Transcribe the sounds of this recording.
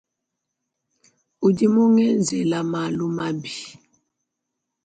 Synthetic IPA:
u˨di˦mu˦ŋɛ˦nd͡zʱɛ˨la˨ma˨lu˦ma˦bi˨

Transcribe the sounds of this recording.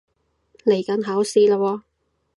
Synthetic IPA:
le˨˩jkɐ˨˥nɦaː˨˥wsiː˧˥laː˧wɔː˧

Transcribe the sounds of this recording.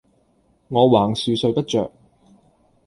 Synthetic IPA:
ŋɔː˨˧waː˨˩ŋsyː˨˧sɵ˧ɥpɐ˥t̚t͡ʃœ̰ː˨k̚

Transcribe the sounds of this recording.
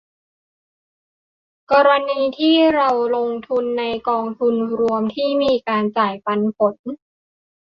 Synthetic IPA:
kɔː˧ɾa˧niː˧t̪ʰiː˥˩ɾa˧wlo˧ŋt̪ʰu˧nːa˧jkɔː˧ŋt̪ʰu˧nɾu˧əmt̪ʰiː˥˩miː˧kaː˧nt͡ɕaː˨˩jpa˧npʰo˨˩˦n

